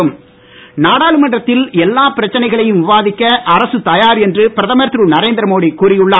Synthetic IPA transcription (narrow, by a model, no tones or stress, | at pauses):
ɯm | naːɽaːɭɯmɐɳɖrɐt̪ːɪlɛlːaːpɪɾɐt͡ʃːɐnɐɪɣɐɭɐjɯmʋɪʋaːðɪkːɐʔɐɾɐsɯt̪ɐjaːɾɛndrɯpɪɾɐðɐmɐɾt̪ɾuːnɐɾeːnd̪ɪɾɐmoːɽikuːɾɪjɯɭːa